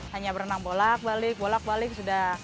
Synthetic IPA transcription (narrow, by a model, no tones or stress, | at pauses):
haɲabəɾnaŋbolak̚balɪk̚bolak̚balɪksudah